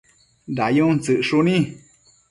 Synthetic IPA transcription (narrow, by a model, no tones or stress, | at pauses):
dajũt͡sɨʔʂunĩ